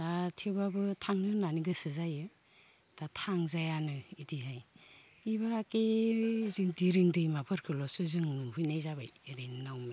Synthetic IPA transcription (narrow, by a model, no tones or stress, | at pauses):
datʰiwbabɯtʰaŋnɯnaniɡɯsɯzajɯ | d̥atʰaŋzajanɯidiɦaj | ibakezɯŋdiɾɯŋdɯjmapʰɯɾkʰɯlɔsɯzɯŋhujnajzabajɾennawma